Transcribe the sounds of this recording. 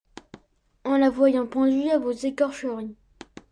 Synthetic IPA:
ɑ̃lavwajɑ̃pɑ̃d̪yavozekɔʁʃəʁĩ

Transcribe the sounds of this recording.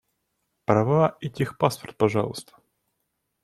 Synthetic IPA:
pɾɐvaɛtʲixpaspərt̪̚pɐʐɑ̰lˠʊ̰st̪ʰə̥

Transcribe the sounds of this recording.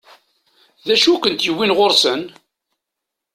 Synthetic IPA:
ðæʃukʷənt̪jəwːinʁoɾsən

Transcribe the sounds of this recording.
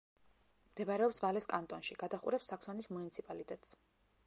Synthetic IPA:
md̪̥ɛbaɾɛɔpsvalɛskʼant̪ʼɔnʃiɡ̥ad̪aχṵɾɛpsːakʰsɔnismunit̪sʰipʼalit̪ʼɛt̪ʼs

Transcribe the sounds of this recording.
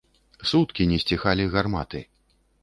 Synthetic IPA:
sut̪kʲinʲɛsʲt͡sʲixalʲiɣarma̰t̪ɨ

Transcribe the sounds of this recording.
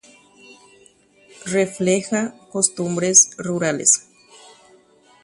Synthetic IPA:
reflexakost̪umbɾesruɾalḛs

